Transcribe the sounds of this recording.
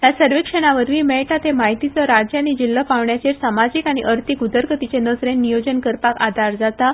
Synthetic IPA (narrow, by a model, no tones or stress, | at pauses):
jasəɾʋikʂəɽ̃aʋəɾʋiːmɛɭʈat̪emaɦit̪it͡səɾad͡ʑjanid͡ʑilːəpaʋɳjat͡ɕeɾsamad͡ʑikaɽ̃iʔəɾt̪ʰikud̪əɾkət̪it͡ɕenəd͡zɾenːijod͡ʑənkəɾpakad̪ʱaɾd͡zat̪a